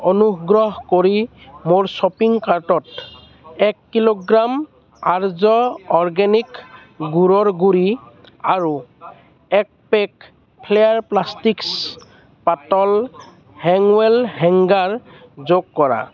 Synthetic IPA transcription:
ɔnuɡɹɔɦkoɹi | moɹsɔpiŋkaɹtɔt | ɛkːiloɡɹam | aɹzɔɔɹɡɛnik | ɡuɹɔɹɡuɹi | aɹu | ɛk̚pɛk | pʰlejaɹplastiks | patɔl | hɛŋwɛlɦɛŋɡaɹ | zoɡkɔɹa̰

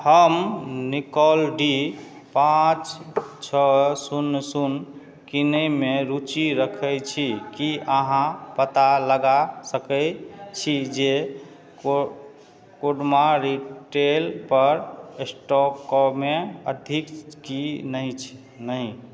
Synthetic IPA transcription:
həmnikɔlɖi | pãt͡ʃt͡ʃʰəsunːsun | kinəjmeɾut͡ʃiɾəkʰəjt͡ʃʰikiəɦãpət̪aləɡasəkət͡ʃʰid͡ʒe | koɖmaɾiʈelpəɾesʈɔkɔmeəd̪ʱikkinəit͡ʃʰ | nəɦĩ

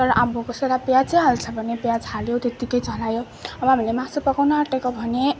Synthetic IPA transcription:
ʌɾʌʔamukoseɾapjat͡sʌɦalt͡sʰʌbʱʌnepjad͡zɦaljot̪et̪ikʌjt͡sʌnajo | ʌbʌɦamilemãsupʌkawnaaʈekobʱʌne

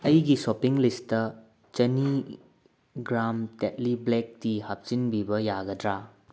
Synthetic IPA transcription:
ɐjɡisopiŋlistɐ | t͡ʃɐni | ɡɾamtet̚liblek̚tihap̚t͡ʃinbibɐjaɡɐdɾa

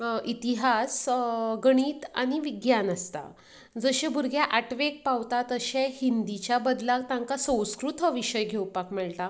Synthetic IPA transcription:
it̪iɦasɡəɽ̃iːt̪a̰ɽ̃iʋiɡjanəst̪a̰ | d͡zəɕebʱuɾɡʱjaʔaʈʋek̚pawt̪at̪əɕehind̪it͡ɕjabəd̪laɡ̚t̪ãŋkasə̃w̃skɾut̪əʋiɕəjɡʱewpakmɛɭt̪a

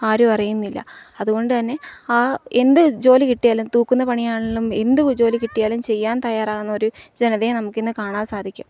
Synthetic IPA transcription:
aːɾupɐrɐjunːilːɐ̰ɐðuɣo̞ɳɖɨt̪ɐnːe̞aːe̞nd̪ɨd͡ʑo̞ːlikiʈːijaːlumt̪uːkːunːɐpɐɳijaːɳeɭːume̞nd̪ɨd͡ʑo̞ːlikiʈːijaːlumt͡ɕe̞jːaːnt̪ɐjaːɾaːɣunːɐo̞ɾud͡ʑe̞nɐðenɐmukːe̞nːɨkaːɳaːnsaːd̪ʱikʲːum

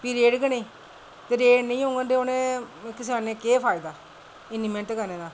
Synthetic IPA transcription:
piɾeːɖɡəneː | t̪eɾeːnəĩːɦõːŋɡənd̪eoːnẽːkɪs̬aːnẽːkeːpʰaːid̪aː | ɪnːimɛ̃ɳʈkənẽːd̪aː

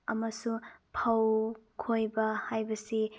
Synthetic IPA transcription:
ɐmɐsupʰɐwkʰojbɐhajbɐsi

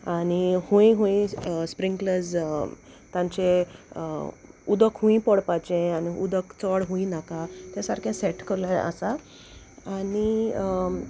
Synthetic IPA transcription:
aɽ̃ihũĩɦũĩspɾĩŋɡkləd͡z | t̪ãɲt͡ɕe | ud̪əkɦũĩpəɽpat͡ɕẽaniud̪əkt͡səɽɦũĩnakat̪jasaɾkʰɛ̃seʈkəɾljaə̰sa | aɽi

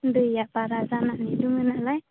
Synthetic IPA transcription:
ndɯjaʔpaɾazanaʔniduŋɯnaʔlaj

